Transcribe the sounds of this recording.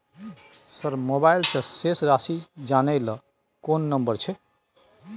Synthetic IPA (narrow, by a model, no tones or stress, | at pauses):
səɾmobajlsə̃sesɾasid͡ʒanəlɔ | konːəmbəɾt͡ʃʰɛ